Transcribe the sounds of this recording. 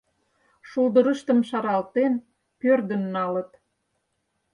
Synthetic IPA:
ʃuld̪əɾə̆ʃt̪ə̆mʃɑɾɑlt̪en | pørd̪ə̆nːɑlə̆t̪

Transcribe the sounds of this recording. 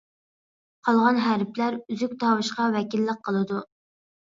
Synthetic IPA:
qʰɑlˠʁɑnɦæɾplæɾyzyk̚ʲt̪ʰɑwɨʃqɑvɛkʲilːəq̚ʰːəlˠɨd̪u

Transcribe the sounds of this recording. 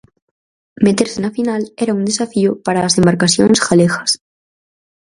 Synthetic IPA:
met̪eɾsenafinaleɾaund̪esafiopaɾaːsembaɾkasjonsxalexas

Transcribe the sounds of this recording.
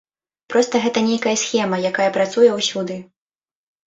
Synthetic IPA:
pɾɔst̪ɐɣɛt̪ɐnʲejkɐjɐsxʲɛmɐjakajɐpɾat̪sujɛwsʲud̪ɨ

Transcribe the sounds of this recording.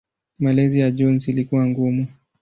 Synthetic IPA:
malɛzijad͡ʒɔnsilikuwaŋɡumu

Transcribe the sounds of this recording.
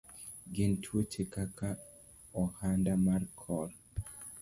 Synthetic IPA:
ɡɪntʰwot͡ʃekaka | ɔhandamarkʰɔɾ

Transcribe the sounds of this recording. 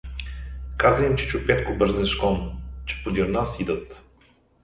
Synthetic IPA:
kazəimt͡ʃɛt͡ʃʊpɛt̪kobəɾznɛʃkɔnt͡ʃɛ̥pod̪ʲiɾnasid̪ət̪

